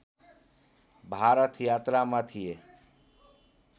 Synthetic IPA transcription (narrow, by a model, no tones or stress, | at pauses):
bʱaːɾət̪ʰjaːt̪ɾamãːt̪ʰijeː